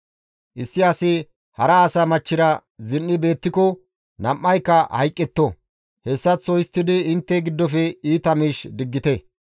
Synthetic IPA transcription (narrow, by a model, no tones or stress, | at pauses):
ʔɪsːɪɐsɪ | hɐɾɐːsɐmɐt͡ʃːɪɾɐzɪnːɪbe̞ːt̪ːɪkɔ | nɐmːɐjkːɐhɐ̰jkʼːɛt̪ːɔ | hɛsːɐt͡sːɔjɪst̪ːɪd̪ɪɪnt̪ːɛɡɪd̪ːɔfɛiːt̪ɐmiːʃd̪ɪɡːɪt̪ɛ